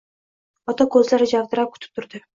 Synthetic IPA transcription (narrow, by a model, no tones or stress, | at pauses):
ɒt̪akʰɵzlaɾɪd͡ʒavd̪ɪɾap̚kʰʊ̥t̪ɪ̥p̚t̪ʰʊɾd̪ɪ